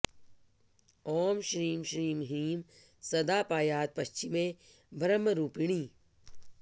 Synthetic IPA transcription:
ɔːmʃɾiːmʃɾiːmɦiːm | sɐd̪aːpaːjaːt̪̚pɐʃt͡ʃɪmẽ | bʱɾəmːəɾuːpiɽ̃iː

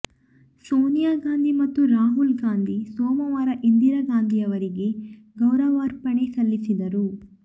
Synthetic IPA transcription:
soːnijaːɡaːnd̪ʱimɐt̪ːuɾaːɦulɡaːnd̪ʱisoːmɐʋaːɾɐʔind̪iɾɐɡaːnd̪ʱijɐʋɐɾiɡe̞ | ɡɐwɾɐʋaːɾpɐɳesɐlːisid̪ɐɾu

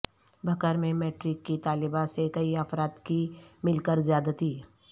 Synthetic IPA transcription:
bʱɐkəɾmẽmeːʈɾɪkːit̪aːlɪbasekɐiəfɾaːt̪kimɪlkəɾzjaːd̪ət̪iː

